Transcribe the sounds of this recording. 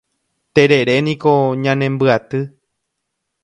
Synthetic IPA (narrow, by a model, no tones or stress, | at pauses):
t̪eɾeɾenĩkoɲãnẽmbɨat̪ɨ